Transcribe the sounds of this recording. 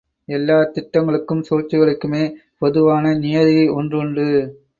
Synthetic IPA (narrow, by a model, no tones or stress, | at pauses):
ɛlːaːt̪ɪʈːɐŋɡɐɭɯkːɯmsoːt͡ʃːɯɣɐɭɯkːɯmeː | pɔðɯʋaːnɐnɪjɐðiɐɔndrɯɳɖɯ